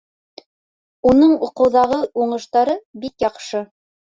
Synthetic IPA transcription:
unɤɴuqɤ̆wðɑʁɤuɴɤ̆ʃt̪ɑɾɤbikjɑqʃɤ

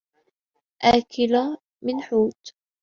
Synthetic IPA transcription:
ʔaːkʰɪla | mɪnħuːt̪

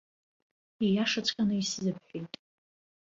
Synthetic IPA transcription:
ijaʂat͡sʷʼkʼanɨiszɨpʰħʷᶣejtʼ

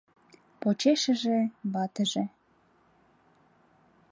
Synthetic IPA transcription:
pot͡ɕeʃə̆ʒeβɑt̪əʒe

